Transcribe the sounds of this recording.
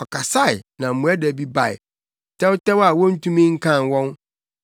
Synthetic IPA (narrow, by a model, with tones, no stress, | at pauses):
ɔ˨kʰa˨sa˦ɪ˨nã˨m̩˨mũ˨ɛ˦dɛ˨bi˦ba˨ɪ̰˨ | tʰɛ˦wtɛ˦wa˨wɔ̃˦n̩˦tʰũ˦mĩ˦ŋ̩˦kʰã˦˨n˨wɔ̃˦n